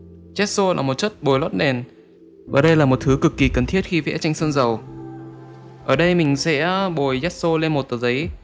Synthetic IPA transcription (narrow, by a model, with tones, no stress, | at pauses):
zɛ˦˥t̚so˧laː˨˩mo˨˩t̚t͡ɕə˦˥t̚ɓo˨˩jlwa˦˥t̚ɗɛ˨˩n | vaː˨˩ɗə˧jlaː˨˩mo˨˩t̚t̪ʰɨ˨˦kɨ˨˩kːi˨˩kə˨˩nt̪ʰi˦˥ət̚xi˧vɛ̰˧˥t͡ɕa˧jŋ̟sə˧nzə˨˩w | ʔəː˧˩ɗə˧jmï˨˩ŋ̟sɛ̰˧˥ɓo˨˩jzɛ˦˥t̚so˧le˧nmo˨˩t̚t̪əː˨˩zə˨˦j